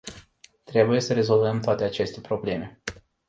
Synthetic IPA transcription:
t̪ɾe̞buje̞səɾe̞zo̞lvəmt̪oat̪e̞at͡ʃe̞st̪e̞pɾo̞ble̞me̞

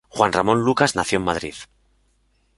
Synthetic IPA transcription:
xwanramõ̞nlukaznaθjommað̞ɾḭð

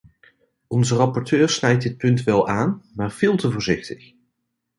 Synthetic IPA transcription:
ʔɔnzərɑpɔɹtʰøːɹsnɛjt̚dɪt̚pɵntʋɛlˠaːnmaːɹv̥ɪːlˠtəvʊːɹzɪxtə̥x

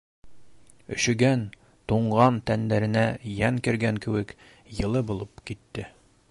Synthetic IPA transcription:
ɵ̆ɕɵ̆ɡæn | t̪uɴɢɑnt̪ænd̪æɾɘ̆næjæŋkɘ̆ɾɡæŋkɘ̆wɘk | jɤ̆lˠɤbulˠɤpkit̪ːɘ

